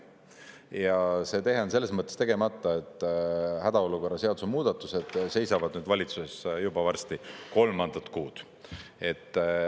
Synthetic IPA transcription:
jɑse̞ːt̪e̞ɦense̞lːe̞smɤt̪ˑːest̪e̞ɡemɑt̪ˑːɑe̞t̪ːˑhæd̪̥ɑo̞lːuko̞rːɑse̞ɑd̪u̥semuːd̪̥ɑt̪ːˑuse̞d̪̥se̞jsɑvɑd̪nyːd̪̥vɑlʲit̪susesjubɑvɑrst̪iko̞lmɑnd̪̥ɑt̪kuːd̪̥ | e̞t̪ːˑ

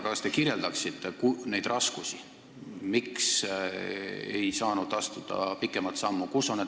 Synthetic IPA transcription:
kɑst̪e̞kirjeld̪ɑksit̪ːekne̞jd̪rʔɑskusi | miks | e̞̰jsɑːnud̪̥ɑst̪ud̪̥ɑ̰pikːˑe̞mɑt̪sɑmːukusːo̞nːe

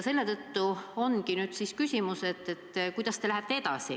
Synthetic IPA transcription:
se̞lːet̪ɤt̪ːuo̞nɡinyːd̪siskysʲimuse̞t̪ˑːet̪ːkujd̪ɑst̪e̞læɦæt̪ːe̞et̪ɑsi

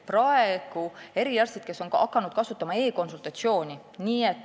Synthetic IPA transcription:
prɑe̞ɡ̥ue̞ɾiɑrst̪it̪̚ke̞sːo̞nkɑ̰kˑːɑnud̪̥kɑsut̪ːˑɑmɑe̞ːko̞nsult̪ˑɑt̪sijo̞ːnʲi | niːet̪ːˑ

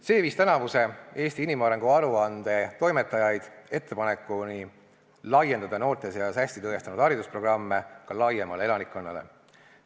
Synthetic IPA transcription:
se̞ːviːst̪ænɑvuse̞e̞ːst̪iinimɑɾe̞ŋɡ̥uɑɾuɑnd̪̥e̞t̪o̞jme̞t̪ːˑɑjɑjd̪̥e̞t̪ːe̞pɑne̞kːˑuni | lɑje̞nd̪ɑd̪ɑno̞ːrt̪ˑe̞sejɑshæsʲt̪it̪ɤɦjest̪ɑnud̪̥ɑɾid̪uspro̞ɡrɑmːe̞kɑlɑjːemɑleelɑnikːˑo̞nːɑle̞̰

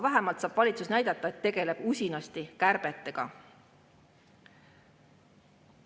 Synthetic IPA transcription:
væɦɛmɑlt̪ˑsɑːb̥vɑlʲit̪susnæjd̪̥ɑt̪ːˑɑe̞t̪ːe̞ɡ̥e̞le̞b̥usʲinɑst̪ikærb̥e̞t̪ːe̞ɡ̥ɑ̰

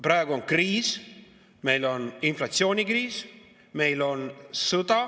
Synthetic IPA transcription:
prɑeɡuoŋkriːs | me̞jlo̞ninflɑt̪sʲjo̞ːnʲikriːs | me̞jlo̞nsɤt̪ɑ

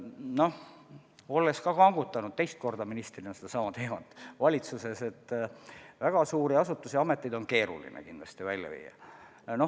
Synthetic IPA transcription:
no̞h | o̞lːe̞skɑkɑŋɡ̥ut̪ːˑɑnud̪̥̚t̪e̞jst̪̚ko̞rd̪ɑminist̪rinɑsed̪ɑsɑmɑt̪e̞ːmɑt̪ːˑvɑlʲit̪suse̞se̞t̪ːˑ | væɡ̥ɑsuːɾiɑsut̪ːˑusiɑme̞t̪ˑːejd̪o̞nke̞ːɾṵlḭnʔḛkind̪lɑ̰st̪ivæjlʲjɑ̰vḭjːɑ̰ | no̞

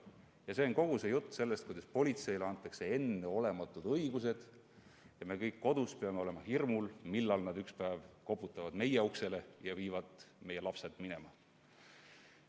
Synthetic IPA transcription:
jɑse̞onko̞ɡ̥use̞jut̪ˑːse̞lːe̞st̪kujd̪̥ɑspo̞lʲit̪se̞ileɑnt̪ˑːɑkse̞e̞nːe̞o̞le̞mɑt̪ːˑud̪̥ɤjɡuse̞d̪̥ | jɑme̞kɤjkːo̞d̪̥uspeɑme̞o̞le̞mɑɦirmulmilːɑlnɑd̪ykspæevko̞put̪ːˑɑvɑd̪̥me̞jeukse̞le̞jɑviːvɑd̪̥me̞je̞lɑpse̞t̪ˑmine̞mɑ

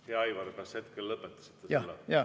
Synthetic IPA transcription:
heɑjvɑɾpeshet̪kellɤpːet̪ːˑɑ̥si̥t̪ːˑejɑlːɑjɑ

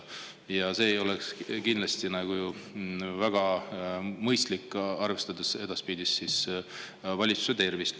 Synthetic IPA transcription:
jɑse̞ːjo̞lekskinlɑst̪inæɡ̥ujuvæɡ̥ɑ | mɤjst̪likːˑɑrve̞st̪ɑd̪ese̞d̪̥ɑspid̪̥isːis | vɑlʲit̪su̥se̞t̪e̞rvist̪

